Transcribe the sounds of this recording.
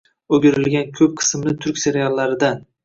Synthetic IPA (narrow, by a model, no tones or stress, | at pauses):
oɡʲɪɾɪlɡʲankʲʰɵp̚qʰɨ̥smnɪt̪ʰʊɾkʲse̞ɾjalˠːaɾɪd̪an